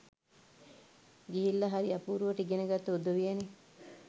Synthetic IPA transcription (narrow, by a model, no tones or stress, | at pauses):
ɡiɦilːɐɦaɾiapuːɾuʋəʈəiɡenəɡat̪ːəud̪uʋijene